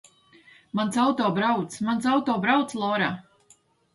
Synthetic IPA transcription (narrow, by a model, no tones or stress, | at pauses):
mansawt̪ɔːbɾawt̪smans̬awt̪ɔːbɾawt̪slˠɔːɾaː